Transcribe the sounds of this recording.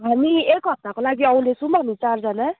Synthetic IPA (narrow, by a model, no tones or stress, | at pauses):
ɦamiekɦʌp̚t̪akolaɡiʌũlesumbʌnit͡saɾd͡zʰʌnʌ